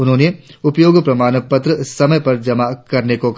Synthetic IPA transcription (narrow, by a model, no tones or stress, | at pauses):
ʊnɦõːneʊpjoːɡpɾɐmaːnpɐt̪ɾəsɐməjpɐɾd͡ʒɐmakɐɾnekok